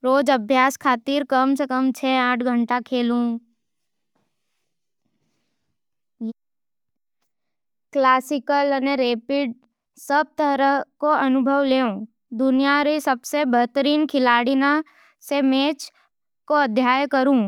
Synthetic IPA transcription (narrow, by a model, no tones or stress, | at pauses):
ɾoːd͡ʒɐbʱjaːskʰaːt̪iːɾkəmsekəmt͡ʃʰeãːʈʰɡʱə̃ɳʈakʰeːlũ | klaːsɪkələneɾeːpɪɖ̚ | səb̚t̪əɾəɦkoʔɐnʊbʱəʋleːõ | d̪ʊnijaɾesɐbsebəɦt̪əɾiːnkʰɪlaːɽina | semeːt͡ʃ | koɐd̪ʱjaːjkəɾũː